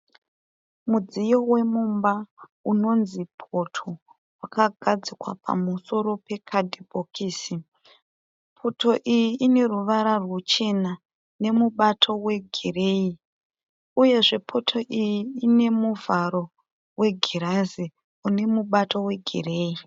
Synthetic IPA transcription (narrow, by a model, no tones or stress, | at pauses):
mud͡zijo̞we̞mumbauno̞nzipʰo̞tʰo̞ | wakaɡʱad͡zikwa̰pʰa̰muso̞ɾo̞pe̞kʰadʱibʱokʰiːsi | pʰo̞to̞ʔijiine̞ruʋaɾarwut͡ʃe̞na | ne̞muɓatʰo̞we̞ɡʱire̞i | uje̞ʐe̞pʰo̞tʰo̞ʔijiːne̞muvaɾo̞ | we̞ɡʱiɾazi | une̞muɓato̞we̞ɡʱḭre̞ːi